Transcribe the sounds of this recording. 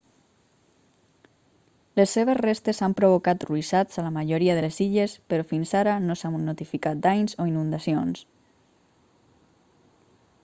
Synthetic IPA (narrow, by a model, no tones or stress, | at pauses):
lesːeβ̞ezrest̪esampɾoβokat̪ruisat͡saləmaʒoɾiəðəleziʎespəɾɔfinzaɾənosamːot̪ifikat̪̚d̪ajnzoinund̪asions